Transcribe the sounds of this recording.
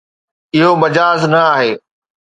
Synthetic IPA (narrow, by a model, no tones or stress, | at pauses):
ɪɦomɐd͡ʑaːznɐaːɦeː